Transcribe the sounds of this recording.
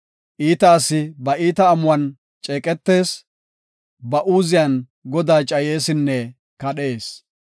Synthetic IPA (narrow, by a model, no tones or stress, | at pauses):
ʔiːt̪ɐːsɪbɐʔiːt̪ɐːmʊwɐn | t͡ʃʼeːkʼɛt̪ːe̞ːs | bɐʔuːzɪjɐn | ɡɔd̪aːt͡ʃʼɐje̞ːsɪnːɛ | kɐɗe̞ːs